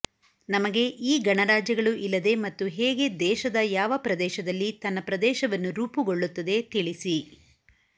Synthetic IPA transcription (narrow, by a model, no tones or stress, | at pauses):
nɐmɐɡe̞ʔiːɡɐɳɐɾaːd͡ʒjɐɡɐɭuʔilːɐd̪e̞mɐt̪ːuɦɛːɡe̞d̪ɛːʃɐd̪ɐjaːʋɐpɾɐd̪ɛːʃɐd̪ɐlːit̪ɐnːɐpɾɐd̪ɛːʃɐʋɐnːuɾuːpuɡo̞ɭːut̪ːɐd̪e̞t̪iɭisi